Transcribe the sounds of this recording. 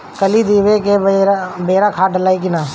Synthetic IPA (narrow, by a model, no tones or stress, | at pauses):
kəliːd̪iːʋekeɾbeːɾaːkʰaːʈəlaːik̬ɪnaː